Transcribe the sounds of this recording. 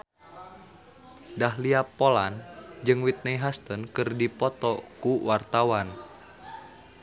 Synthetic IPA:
dahliapoland͡ʒɨŋwit̪̚nejɦast̪ənkɨrdipɔt̪ɔkuwart̪awan

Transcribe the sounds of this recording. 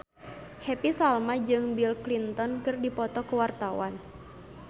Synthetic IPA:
hɛpisalmad͡ʒɨŋbilklint̪ɔnkɨrdipɔt̪ɔkəwart̪awan

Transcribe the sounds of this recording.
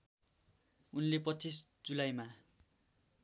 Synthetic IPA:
unlepʌt͡sʰis | d͡zulajma

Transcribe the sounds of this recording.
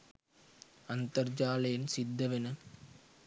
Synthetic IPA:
ɐnt̪ɐɾd͡ʒaːlɐjɪnsɪd̪ːɐʋɪnɐ

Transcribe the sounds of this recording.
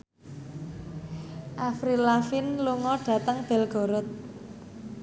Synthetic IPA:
ʔafɾilafinluŋɔɖ̥ä̤t̪əŋb̥ɛ̤lɡ̥ɔ̤ɾʊt̪̚

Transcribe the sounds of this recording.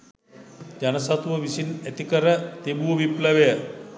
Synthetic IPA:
d͡ʒanəsat̪uʋəʋisinɛt̪ikəɾət̪ebuəʋipləʋejə

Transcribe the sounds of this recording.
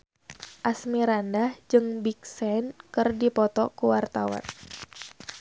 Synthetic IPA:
ʔasmiɾandahd͡ʒɨŋbik̚sɛnkɨrdipɔt̪ɔkuwart̪awa̰n

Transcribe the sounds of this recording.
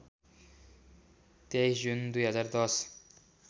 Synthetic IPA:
t̪ejsd͡ʒund̪ujɦʌzaɾd̪ɔs

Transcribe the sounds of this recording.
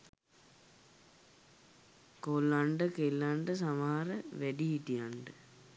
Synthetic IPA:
kolːaɳɖəkelːaɳɖəs̬amaɦaɾəʋæɖiɦit̪ijaɳɖə

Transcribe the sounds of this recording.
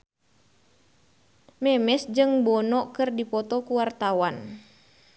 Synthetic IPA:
mɛmɛsd͡ʒɨŋbɔnɔʔkɨrdipɔt̪ɔkuwart̪awan

